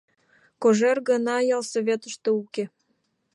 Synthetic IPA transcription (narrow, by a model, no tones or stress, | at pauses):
koʒerɡənɑjɑlsoβʲet̪əʃt̪ouke